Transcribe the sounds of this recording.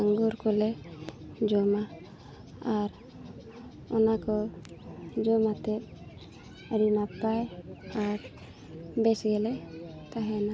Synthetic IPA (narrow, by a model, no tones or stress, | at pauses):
aŋɡuɾkɔlɛ | d͡ʒɔmaː | ɾ | ɔnakɔ | d͡ʒɔmat̪ɛ | ɾinapajaɾ | bɛsɡɛlɛt̪aɦɛna